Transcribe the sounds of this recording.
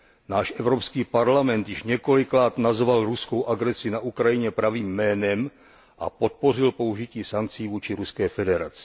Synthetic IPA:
naːʃʔɛvɾopskiːpaɾlamɛnt̪jɪʃɲɛko̞lɪkɾaːt̪nazvalɾuskowʔaɡɾɛsɪnaʔukɾajɪɲɛpɾaviːmːɛːnɛm | ʔa̰po̞t̪̚po̞rɪlpo̞uʒɪciːsaŋk̚t͡siːvuːt͡ʃɪɾuskɛːfɛdɛɾa̰t͡sɪ̥

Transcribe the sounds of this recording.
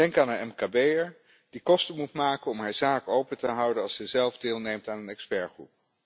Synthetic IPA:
dɛŋkaːnənɛmkabejəɹ | d̥ikɔstəmutmaːkənɔmɦaːɹzaːkowpətəɦʌwdənɑlˠsɛjzɛlˠvdɪːlˠnejmtaːnənɛkspɛɹχrṵp̚

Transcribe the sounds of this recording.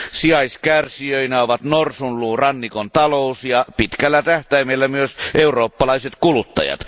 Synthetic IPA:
siɑiskærsiøinæoʋɑt̪norsunluːrɑnːikont̪ɑloˑusjɑpit̪kælːæt̪æht̪æimelːæmyøsʔeuroːpːɑlɑiset̪kulut̪ːɑ̰jɑ̰t̪

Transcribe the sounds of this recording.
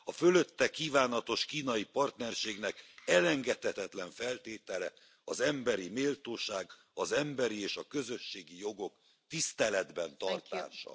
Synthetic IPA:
ɒfø̞lø̞t̪ːɛkiːvaːnɒt̪o̞ʃkiːnɒjipɒrt̪nɛrʃeːɡnɛkɛlɛŋɡɛt̪hɛt̪ɛt̪lɛɱfɛlt̪eːt̪ɛlɛ | ɒzɛmbɛɾimeːlt̪oːʃaːɡ | ɒzɛmbɛɾieːʃɒkø̞zø̞ʃːeːɡijo̞ɡo̞k | t̪ist̪ɛlɛd̪bɛnt̪ɒrt̪a̰ːʃɒ̰

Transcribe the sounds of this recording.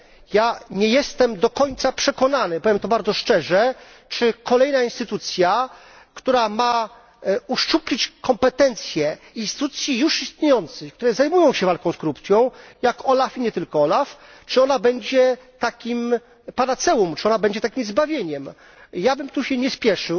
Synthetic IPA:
jaɲɛjɛst̪ɛmd̪ɔkɔɲt̪sapʂɛkɔnanɘpɔvʲjɛmt̪ɔbaɾd̪zɔʂt͡ʂɛʐɛ | t͡ʂɘkɔlɛjnainst̪ɘt̪ut̪sʲja | kt̪uɾama | uʂt͡ʂuplʲit͡ɕkɔmpɛt̪ɛnt̪sʲjɛ | inst̪ɘt̪ut̪sʲjijuʂist̪ɲejɔnt̪sɘxkt̪uɾɛzajmujɔ̃w̃ɕɛvalkɔ̃w̃skɾupt̪sʲjɔ̃w̃jakɔlafiɲɛt̪ɘlkɔɔlaf | t͡ʂɨɔnabɛɲd͡ʑɛ | t̪akʲim | paɾat̪sɛumt͡ʂɨ̥ɔnabɛɲd͡ʑɛt̪akʲimzbavʲjeɲɛm | jabɘmt̪uɕɛɲɛspʲjɛʂɘ

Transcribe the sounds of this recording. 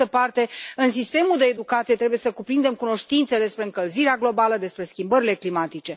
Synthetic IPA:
əpart̪e̞ɨnsist̪e̞muld̪e̞ːd̪ukat̪sije̞t̪ɾe̞bujesəkupɾind̪e̞mkuno̞ʃt̪int̪sed̪e̞spɾe̞ɨŋkəlziɾeaɡlo̞baləd̪e̞spɾe̞skʲimbəɾile̞klimat̪it͡ʃe̞

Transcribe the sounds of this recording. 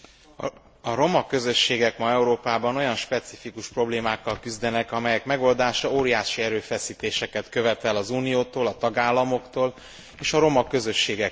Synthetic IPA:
ɒɾo̞mɒkø̞zø̞ʃːeːɡɛkmɒɛuɾoːpaːbɒno̞jɒnʃpɛt̪sifikuʃpro̞bleːmaːkːɒlkyzd̪ɛnɛkɒmɛjɛkmɛɡo̞ld̪aːʃɒoːɾijaːʃiɛɾøːfɛsiːt̪eːʃɛkɛt̪kø̞vɛt̪ɛlːɒzuːnijoːt̪oːlɒt̪ɒɡaːlːɒmo̞kt̪oːl | eːʃɒɾo̞mɒkø̞zø̞ʃːeːɡɛk

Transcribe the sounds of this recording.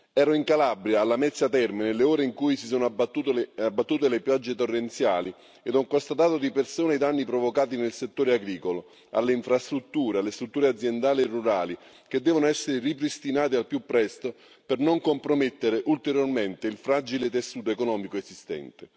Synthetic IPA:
ɛːɾoiŋkalabɾjaːlːamɛt̪sːat̪ɛrmenelːeoːɾeiŋkujsisoːnoab̪ut̪abːat̪ːuːt̪elepjad͡ʒːet̪orːent̪sja̰ːli | ed̪ɔŋkost̪at̪aːt̪od̪ipersoːnajd̪anːipɾovokaːt̪inelset̪ːoːɾeaɡɾiːkolo | a̰lːeiɱfɾast̪ɾut̪ːuːɾealːest̪ɾut̪ːuːɾead̪zːjend̪aːlierːuɾaːli | k̟ed̪ːɛːvonoɛsːeɾɪripɾist̪inaːt̪ialpjupːɾɛst̪o | pernoŋkompɾomet̪ːeɾeʔult̪eɾjorment̪eilfɾaːd͡ʒilet̪esːuːt̪oekonɔːmikoezist̪ɛ̰nt̪e

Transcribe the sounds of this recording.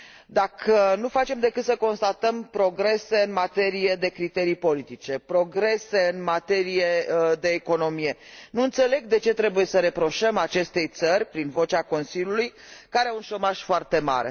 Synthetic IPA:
d̪akʰənufat͡ʃe̞md̪e̞kɨt̪səko̞nst̪at̪əmpɾo̞ɡɾe̞se̞ɨnmat̪e̞ɾije̞d̪e̞kɾit̪e̞ɾijpo̞lit̪it͡ʃe̞pɾo̞ɡɾe̞se̞ɨnmat̪e̞ɾije̞d̪e̞ːko̞no̞mije̞nuɨnt̪se̞le̞ɡ̚d̪e̞t͡ʃe̞t̪ɾe̞buje̞səɾe̞pɾo̞ʃəmat͡ʃe̞st̪e̞jt̪sərʲpɾinvo̞t͡ʃako̞nsilʲjulujkaɾeaunʃo̞maʒ̥foart̪e̞ma̰ɾḛ

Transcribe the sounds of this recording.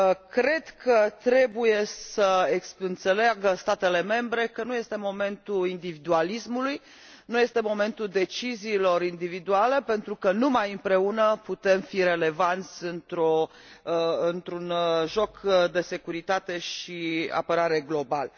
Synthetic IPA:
kɾe̞d̪kʰət̪ɾe̞buje̞səesɨnt̪se̞laɡəst̪at̪e̞le̞me̞mbɾe̞kənuje̞st̪e̞mo̞me̞nt̪uind̪ivid̪ualismuluj | nuje̞st̪e̞mo̞mẽ̞nt̪uld̪e̞t͡ʃiziːlo̞ɾind̪ivid̪uale̞pe̞nt̪ɾukənumajɨmpɾe̞unəput̪e̞mfiɾe̞le̞vant̪sʲɨnt̪ɾo | ɨnt̪ɾunʒo̞kd̪e̞se̞kuɾit̪at̪e̞ʃia̰pəɾaɾe̞ɡlo̞bal

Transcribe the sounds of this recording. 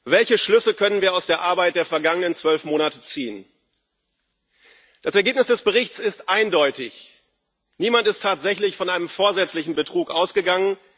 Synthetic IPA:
vɛlçəʃlʏsəkʰœnənviːɐaʊsd̥eːɐʔaɐbaɪt̚d̥eːɐfɛɐɡaŋənənt͡sv̥œlfmoːnatət͡siːən | d̥asɛɐɡeːp̚nɪsd̥ɛsb̥əʁ̞ɪçt͡sɪstʔaɪndɔʏtɪç | niːmantɪstʰːaːtz̥ɛçlɪçfɔnʔaɪnəmfoːɐzɛt͡slɪçn̩bətʁ̥uːkʔaʊsɡ̥əɡaŋən

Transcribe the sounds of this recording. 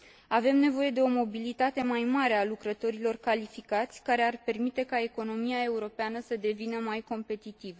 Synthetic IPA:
ave̞mne̞vo̞je̞d̪e̞o̞mo̞bilit̪at̪e̞majmaɾe̞alukɾət̪o̞ɾilo̞rkalifikat̪sʲkaɾe̞arpe̞rmit̪e̞kae̞ko̞no̞miae̞uɾo̞peanəsəd̪e̞vinəmajko̞mpe̞t̪it̪ivə

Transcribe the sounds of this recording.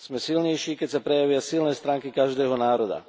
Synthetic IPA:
z̥mɛsilɲɛjʃiːkɛcsapɾɛjaʋɪasilnɛːst̪ɾaːŋkikaʒd̪ɛːɦɔnaːɾɔd̪a̰

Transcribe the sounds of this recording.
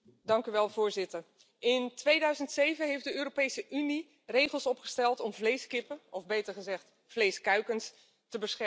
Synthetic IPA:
dɑŋkyʋɛlˠvʊːɹzɪtəɹ | ɪntʋejdœɥzəntsejvənɦejfdəøːɾopejsəʔyni | rejχəlˠsɔpχə̥stɛlˠtɔmvlejskɪpəɔvbejtəɹχəzɛχt | flejskœɥkəns | təbəsχɛ

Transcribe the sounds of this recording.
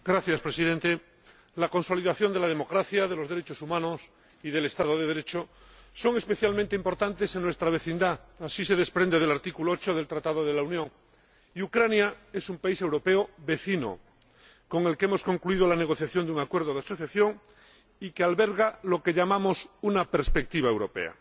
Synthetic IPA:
ɡɾaθjaspɾesiðe̞nt̪e | lako̞nso̞liðaθjo̞nd̪elað̞e̞mokɾaθjaðe̞lo̞zðeɾet͡ʃosumãnos | iðe̞lest̪að̞oð̞eð̞eɾe̞t͡ʃo | so̞ŋe̞speθjalmẽnt̪eimpo̞ɾt̪ant̪e̞seŋnwest̪ɾaβ̞e̞θind̪aːsise̞ð̞e̞spɾend̪eð̞elaɾt̪ikuloot͡ʃoð̞e̞lt̪ɾat̪að̞oðe̞launjõŋ | iukɾanjaesumpaise̞wɾo̞peoβe̞θino̰ | ko̞ŋelkeemo̞sko̞ŋkluið̞olaneɣ̞o̞θjaθjo̞nd̪uŋakwe̞ɾð̞oðeaso̞θjaθjoŋ | ikealβeɾɣalo̞ke̞ʎamamosunapeɾspek̚t̪iβaewɾo̞pe̞̰a̰

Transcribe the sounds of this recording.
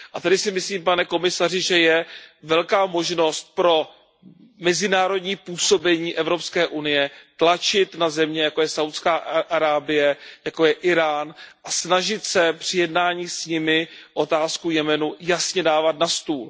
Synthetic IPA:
ʔat̪adɪsɪmɪsliːmpanɛko̞mɪsar̝ɪʒɛjɛvɛlkaːmo̞ʒno̞st̪̚pɾo̞ | mɛzɪnaːɾo̞dɲiːpuːso̞bɛɲiːʔɛvɾo̞pskɛːʔunɪjɛt̪lat͡ʃɪt̪nazɛmɲɛjako̞jɛsawt̪skaːʔaɾaːbɪjɛjako̞jɛʔɪɾaːnʔasnaʒɪt̪sɛpr̥ɪjɛdnaːɲiːsɲɪmɪʔo̞t̪aːskujɛmɛnujasɲɛdaːvat̪nast̪uːl

